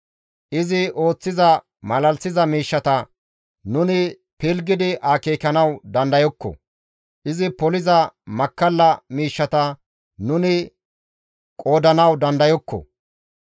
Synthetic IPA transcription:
ʔɪzɪo̞ːt͡sːɪzɐ | mɐlɐlsɪzɐmiːʃːɐt̪ɐ | nʊnɪ | pɪlɡɪd̪ɪʔaːkeːkɐnɐwd̪ɐnd̪ɐjɔkːɔ̰ | ʔɪzɪpɔlɪzɐmɐkːɐlːɐmiːʃːɐt̪ɐ | nʊnɪ | kʼo̞ːd̪ɐnɐwd̪ɐnd̪ɐjɔkːɔ̰

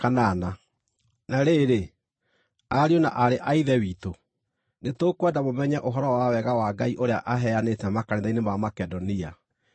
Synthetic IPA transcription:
kanana | naɾeɾe | aɾiona̰ʔaɾeʔaiðɛwiːto | netokwɛdamomɛɲɛʔoɦɔɾɔwawɛɣawaɡaiʔoɾeaʔaɦɛanetɛmakaneðainemamakɛdɔnia

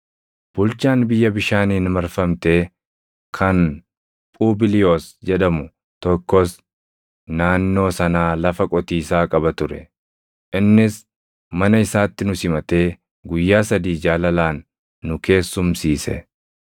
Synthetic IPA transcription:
b̥ʊlt͡ʃaːnbɪjːɐbɪʃaːniːnmɐɾfɐmt̪e̞ː | kʰɐn | pʼuːbɪlɪjo̞ːsd͡ʒɛᶑɐmʊ | t̪ɔkːɔs | naːnːo̞ːsɐnaːlɐfɐkʼɔt̪iːsaːkʼɐbɐt̪ʊɾɛ | ʔɪnːɪs | mɐnɐɪsaːt̪ːɪnʊsɪmɐt̪e̞ː | ɡʊjːaːsɐd̪iːd͡ʒaːlɐlaːnː | ʊke̞ːsːʊmsiːsɛ̰

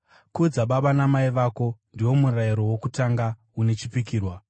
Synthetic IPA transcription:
kud͡zaɓaɓanamaiʋaːko̞ndiwo̞muraiɾo̞wo̞kutaŋɡa | une̞t͡ʃipikiːrwa

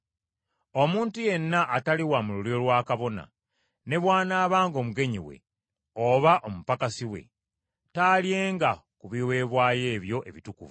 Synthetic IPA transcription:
o̞muːntuje̞nːaʔːtaliwamululiɾo̞lwaːkaβo̞na̰ | ne̞βwaːnaːβaːŋɡo̞muɡe̞ɲiwḛ | oβaʔo̞mupakasiwe̞̰ | taːlje̞ːŋɡakuβiwe̞ːβwaːje̞ːβjo̞ʔe̞̰βitukṵvu

